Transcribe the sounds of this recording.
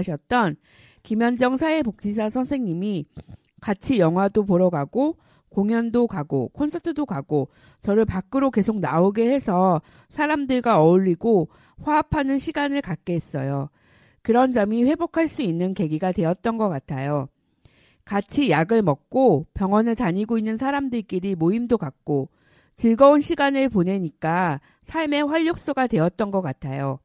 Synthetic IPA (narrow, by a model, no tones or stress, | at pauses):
ɕʰʌt̚t͈ʌn | kimjʌnd͡ʑʌŋsʰaepok̚t͡ɕ͈isʰasʰʌnsʰe̞ŋɲimi | kat͡ɕʰijʌŋɦwadopoɾʌɡaɡo | koŋjʌndokaɡo̰kʰʌnsʰʌtʰɯdokaɡo | t͡ɕʌɾɯɭpak͈ɯɾoke̞sʰok̚naoɡe̞he̞sʰʌ | sʰaɾamdɯɭɡaʌʎːiɡo | ɸwaapʰanɯnɕʰiɡanɯɭkak̚k͈eɦes͈ʌ̰jo | kɯɾʌnd͡ʑʌmiɸwe̞bokʰaɭs͈uinːɯnke̞ɡiɡatwe̞ʌt̚t͈ʌnɡʌk͈atʰajo | kat͡ɕʰijaɡɯɭmʌk̚k͈opjʌŋʌnɯɭtaɲiɡoinːɯnsʰaɾamdɯɭk͈iɾimoimdokak̚k͈o | t͡ɕɯɭɡʌunɕʰiɡanɯɭpone̞ɲik͈a | sʰaɭme̞ɸwaʎːok̚s͈oɡatwe̞ʌt̚t͈ʌnɡʌk͈atʰajo